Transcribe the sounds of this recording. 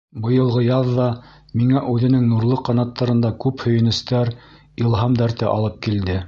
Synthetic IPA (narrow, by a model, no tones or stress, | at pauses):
bɤ̆jɤ̆lˠʁɤjɑðːɑ | miŋæʔʉðɘ̆nɘŋnuɾlˠɤqːɑnɑt̪ːɑɾɤ̆nd̪ɑkʉphɵ̆jɘ̆nɘ̆st̪æɾ | ilˠɦɑmd̪æɾt̪ɘʔɑ̰lˠɤp̚kild̪ɘ